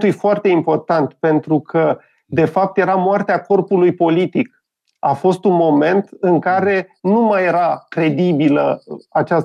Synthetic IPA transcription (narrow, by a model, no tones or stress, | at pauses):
t̪ujfoart̪e̞impo̞rt̪ant̪pe̞nt̪ɾukʰə | d̪e̞fap̚t̪je̞ɾamoart̪eako̞rpulujpo̞lit̪ik | afo̞st̪unmo̞me̞nt̪ɨŋkaɾe̞numaje̞ɾakɾe̞d̪ibiləat͡ʃas